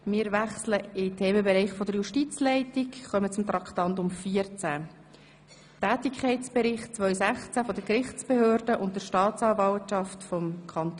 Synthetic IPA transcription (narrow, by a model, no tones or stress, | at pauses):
mɪːɾvæχsləɪtʰeːməbɛɾɛɪχfɔdəɾjuʃtit͡slɛɪtɪkχœmət͡sʊmt̪ɾɑktɑntʊmfiːəɾt͡sæ | tæːtɪkʰχɛɪt͡sb̥ɛɾɪχtt͡svœʏsæχt͡sæfɔdəkɾɪχt͡sb̥ehøːɾdəʔʊnt̚dəʃtɑːt͡sɑːvɑltʃɑftfɔmkʰɑnt